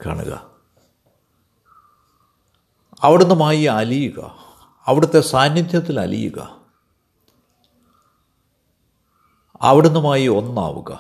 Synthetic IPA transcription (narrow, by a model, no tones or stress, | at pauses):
ka̰ːɳṵɣɐ̰ | ɐʋiɽenːumaːjiɐlijuɣɐ̰ | ɐʋiɽut̪ːe̞saːnjid̪ʱjɐt̪ːilɐ̰lḭjṵɣɐ̰ | ɐ̰ʋiɽenːumaːjio̞nːa̰ːʋṵɣɐ̰